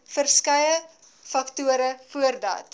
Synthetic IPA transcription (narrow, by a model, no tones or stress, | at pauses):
fərskɐjə | fɐktuəɾəfuərdɑ̰ːt